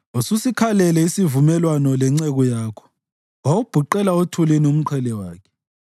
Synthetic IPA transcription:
ususikʰalɛlɛisivumɛlwanɔlɛŋ͡ǀɛɣɔjaːkʰɔ̥ | wawub̥ʱuǃɛlaotʰulenium̩ǃʰɛlɛwaːkʰɛ̥

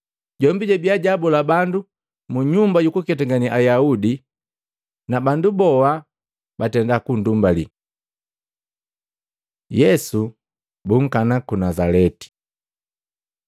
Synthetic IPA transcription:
ɟɔmbiɟɛbiaɟabɔlabandu | muɲumbaɟukukɛt̬aŋɡaniʔajaudi | nabandubɔa | batɛndakun̩dumbalḭ | jɛsu | buŋ̩kanakunazalɛti̥

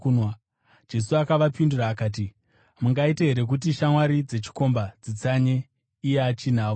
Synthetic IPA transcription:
nwa | d͡ʒe̞suakaʋapinduraːkaːt̬i | muŋɡaiteɦe̞ɾe̞k̬ut̬iʃamwaɾid͡ze̞t͡ʃi̥ko̞mbad͡zit͡saɲe̞ | ijeat͡ʃin̤aːo

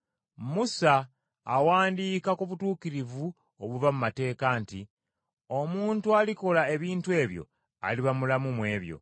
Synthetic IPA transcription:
musaː | waːndiːkakuβutuːkiɾivu | oβuvamumate̞ːkanti | o̞muːntualiko̞lae̞βiːntue̞ːβjo̞̰ | a̰liβamulamumwe̞ːβjo̞̰

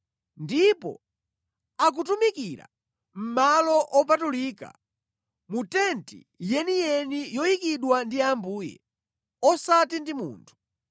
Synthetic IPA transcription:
ndipɔ̰ | ak̬utumikiɾa̰ | m̩malɔʔɔp̬atuliːka̰ | mutɛntḭ | jɛnijɛnijɔjikiɗwandiambuːjɛ̰ | ɔsatindimṵːntʰu̥

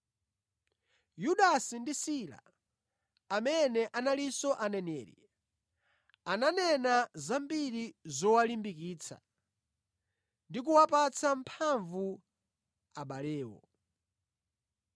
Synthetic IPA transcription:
juɗasindisila̰ | amɛnɛʔanalisɔʔanɛnɛːɾḭ | ananɛnazambiɾizɔwalimbikiːt͡sʰa̰ | ndik̬uwapat͡sʰampʰaɱvu | aɓalɛːwɔ̰

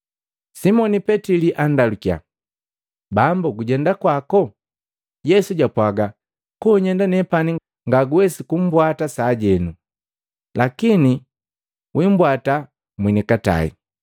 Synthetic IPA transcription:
simɔnipɛtiliʔandalukia̰ | bambuɡuɟɛndakwakɔ | jɛsuɟapwaɡa | kɔɲɛndanɛpani | ŋɡaɡuwɛsikum̩bwatasaːɟɛnu | lakini | wʔim̩bwata | mwinɛkata̰ḭ

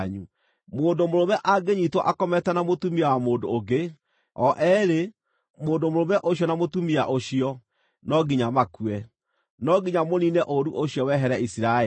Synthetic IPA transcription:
ɲu | moːndomoɾomɛʔaɡeɲitwɔʔakɔmɛtanamotumiawamoːdoːɡe | ɔʔɛɾe | moːndomoɾomɛʔoɕiɔnamotumiaʔoɕiɔ | nɔɡiɲamakuɛ | nɔɡiɲamoninɛʔoɾuʔoɕjɔwɛɦɛɾɛisiɾae

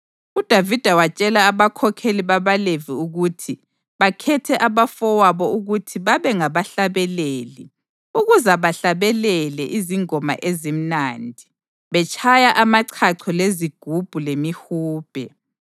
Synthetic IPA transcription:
ud̥ʱavid̥ʱawat͡ʃʼɛlaːβakʰɔkʰeliβaβaleviuɣutʰi | βakʰɛtʰɛʔaβafɔwaβɔuɣutʰiβaβɛŋaβaɬaβɛleːli | uɣuzaβaɬaβɛlɛlɛʔiziŋɔma̰ʔezim̩nandʱi | βɛt͡ʃʰʼajaʔamaǀʰaǀʰɔleziɡ̥ʱub̥ʱulemihuːb̥ʱɛ

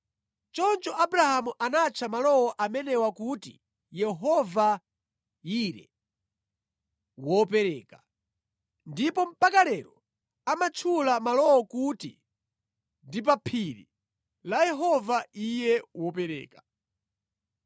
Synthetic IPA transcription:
t͡ʃɔnt͡ʃɔʔabuɾahamuʔanat͡ʃʰamalɔwɔʔamɛnɛwakutḭ | jɛɦɔva | iɾɛ̰ | wɔpɛɾɛːka | ndipɔm̩pakalɛɾɔ | amat͡ʃʰulamalɔwɔkutḭ | ndip̬apʰiɾḭ | lajɛɦɔvaijɛwɔpɛɾɛ̰ːkḁ

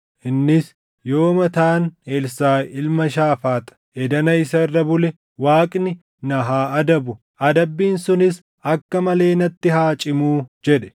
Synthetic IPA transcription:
ʔɪnːɪs | jo̞ːmɐt̪aːnelsaːɪlmɐʃaːfaːt̪ɐ̥ʔɛd̪ɐnɐɪsɐɪrːɐbʊlɛ | waːkʼnɪ | nɐɦaːɐd̪ɐbʊ | ɐd̪ɐbːiːnsʊnɪs | ɐkːɐmɐle̞ːnɐt̪ːɪɦaːt͡ʃʼɪmuːd͡ʒɛɗɛ̥

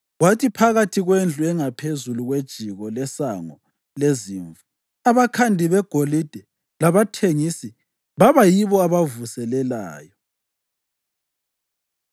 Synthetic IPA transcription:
ɣwatʰipʰaɣatʰiɣwend͡ɮʱuɛŋapʰezuluɣwed̥ʒ̥ʱiɣɔlɛsaŋɔ | leziːɱvu | aβakʰandʱiβɛɡ̥ʱolid̥ʱɛ | laβatʰeŋisi | βaβajiβɔaβavusɛlɛla̰ːjɔ

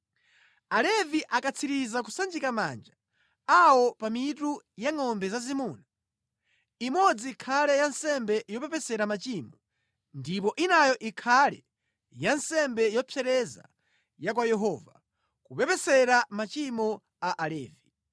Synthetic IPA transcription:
alɛviʔakat͡sʰiɾizak̬usand͡ʒikama̰nd͡ʒa | awɔpamitujaŋɔmbɛzazimuːna | imɔd͡ziːkʰalɛjansɛmbɛjɔpɛpɛsɛɾamat͡ʃimɔ | ndipɔʔinajɔʔikʰalɛ̰ | jansɛmbɛjɔpʰjɛɾɛza̰ | jakwajɛɦɔːva | kupɛpɛsɛɾamat͡ʃimɔ | aʔalɛːvi

